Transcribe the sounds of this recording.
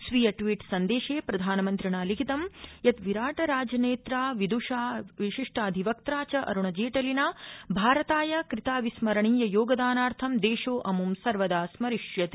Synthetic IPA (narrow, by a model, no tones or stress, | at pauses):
sʋijɐʈʋiːʈsɐnd̪eːʃeːpɾɐd̪ʱaːnɐmɐnt̪ɾiɳaːlikʰit̪ɐmjɐt̪ʋiɾaːʈɐɾaːd͡ʒɐneːt̪ɾaːʋid̪uʂaːʋiʃiʂʈʰaːd̪ʱiʋɐk̚t̪ɾaːt͡ʃɐʔɐ̰ɾuɳɐd͡ʒeːʈɐlinaːbʱaːɾɐt̪aːjɐkɾit̪aːʋismɐɾɐɳiːjɐjoːɡɐd̪aːnaːɾt̪ʰɐmd̪eːʃoːʔɐmumsɐɾʋɐd̪aːsmɐɾiʂjɐt̪i̥